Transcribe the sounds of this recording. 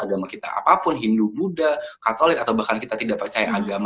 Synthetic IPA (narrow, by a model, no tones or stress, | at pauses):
aɡamakit̪a̰ʔa̰papʊnɦindubudakat̪olɪkat̪awbahkankit̪at̪idaʔ̚pərt͡ʃajaʔaɡam